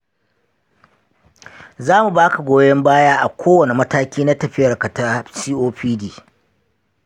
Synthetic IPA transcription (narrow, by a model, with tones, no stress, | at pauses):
zaː˦mu˨baː˦ka˨ɡʷoː˦jɐ˦mbaː˦jaː˦ʔa˨kʷʰoː˦wɐ˨ne˨mɐ˦taː˦kʲiː˦na˦tɐ˨ɸɪ˦jɐ˨rkɐ˨taː˦siː˦ʔoː˦ɸiː˦diː˦